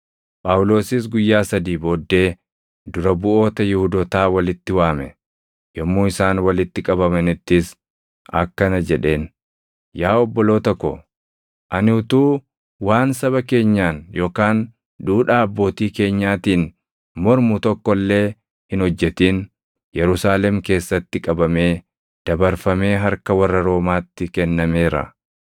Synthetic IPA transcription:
pʼawʊlo̞ːsɪs̬ɡʊjːaːsɐd̪iːbo̞ːd̪ːe̞ː | d̪ʊɾɐbʊʔo̞ːt̪ɐjɪhʊd̪ɔt̪aːwɐlɪt̪ːɪwaːmɛ | jɔmːuːɪsaːnwɐlɪt̪ːɪkʼɐβɐmɐnɪt̪ːɪs | ɐ̰kːɐnɐd͡ʒɛᶑe̞ːn | jaːɔbːɔlo̞ːt̪ɐkːɔ̰ | ʔɐnɪʊt̪uː | waːnsɐβɐke̞ːɲːaːnjo̞ːkaːn | duːᶑaːɐbːo̞ːt̪iːke̞ːɲːaːt̪iːn | mɔɾmʊt̪ɔkːɔlːe̞ː | hɪnhɔd͡ʒːɛt̪iːn | jɛɾʊsaːlɛmke̞ːsːɐt̪ːɪkʼɐbɐme̞ː | d̪̥ɐbɐɾfɐme̞ːɦɐɾkɐwɐrːɐɾo̞ːmaːt̪ːɪkɛnːɐme̞ːɾɐ̰

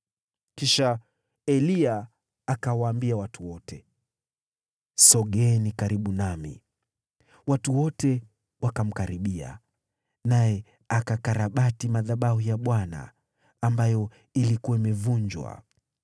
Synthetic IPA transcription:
kiʃa | ɛliaː | kawaːmbiawatuwɔtɛ | sɔɠɛnikaɾiɓunamḭ | watuwɔtɛ | wakam̩kaɾiɓia̰ | najɛ | akakaɾaɓatimaðaɓaɦujaɓwana̰ː | mbajɔ | ilikuwaimɛvund͡ʒwa̰

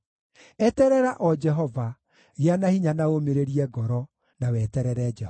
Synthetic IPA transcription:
ɛtɛɾɛɾaʔɔd͡ʒɛɦɔva | ɣeanahiɲanaomeɾeɾiɛɡɔɾɔ | nawɛtɛɾɛɾɛd͡ʒɛ

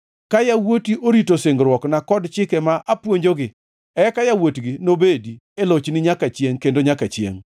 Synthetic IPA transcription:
kajawotiʔoɾitoseŋɡɾwɔknakɔdt͡ʃɪkɛmaʔapwoɲd͡ʒoɡɪ | ɛkajawotɡɪnobedi | elot͡ʃnɪɲakat͡ʃjeŋkendoɲakat͡ʃjḛŋ

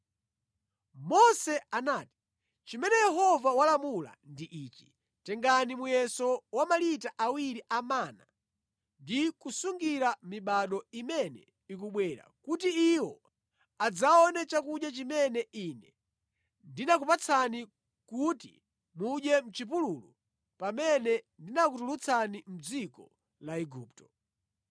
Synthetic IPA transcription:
mɔsɛanaːti̥ | t͡ʃimɛnɛjɛɦɔvawalamula̰ndiʔiːt͡ʃi̥ | tɛŋɡanimujɛsɔwamalitaʔawiɾiʔamana̰ | ndikusuŋɡiɾamiɓaɗɔimɛnɛ̰ | ik̬uɓwɛːɾa̰kutiiwɔ | ad͡zaɔnɛt͡ʃakuɗjat͡ʃimɛnɛinɛ | ndinakupat͡sʰani | kutḭ | muɗɛm̩t͡ʃipululu | pamɛnɛndinakutulut͡sʰanim̩d͡zikɔ | laɛɡuːptɔ̥

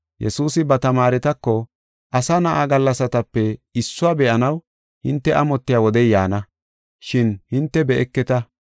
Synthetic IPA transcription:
jʔɛsuːsɪbɐt̪ɐmaːɾɛt̪ɐkːɔ | ʔɐsanɐʔaɡɐlːɐsɐt̪ɐpːɛɪsːʊaːbɛʔɐnɐw | hɪnt̪ːɛʔɐmɔt̪ːɪjaːwɔd̪ɛjjaːnɐ | ʃɪnhɪnt̪ːɛbɛʔɛkːɛt̪ɐ

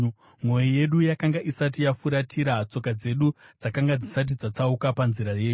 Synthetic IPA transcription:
mwo̞jije̞ɗujakaŋɡaʔisat̬ijafuɾatʰiɾat͡so̞kad͡ze̞ɗud͡zakaŋɡad͡zisat̬id͡zat͡saukapanziɾaje̞ːu

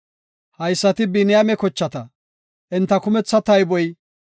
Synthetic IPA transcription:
hɐjsːɐt̪ɪbɪnɪjamɛkɔt͡ʃːɐt̪ɐ | ʔɛnt̪ːɐkʊmɛt͡sːɐt̪ɐjbɔj

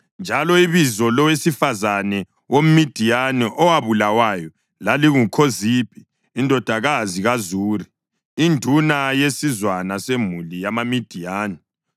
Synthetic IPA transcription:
nd͡ʒʱalɔiβizɔlɔwesifazanɛ | wom̩mid̥ʱijanɛʔɔwaβulawajɔ | laliɣukʰoziːpʰʼiː | ndʱɔd̥ʱaɣaziɣazuːri | indʱunajesizwanasemulijamamid̥ʱijaːnɛ

